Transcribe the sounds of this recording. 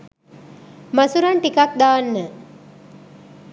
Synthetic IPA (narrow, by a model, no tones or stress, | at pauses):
masuɾaɳʈikak̚d̪aːnːə